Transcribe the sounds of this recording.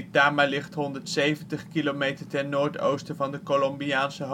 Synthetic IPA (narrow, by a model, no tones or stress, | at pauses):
daːɹmejlɪχtɦɔndəɹtsejvəntəχkilomejtəɹtɛnoːɹto̰wstəvɑndəkolɔmbiaːnsəɦ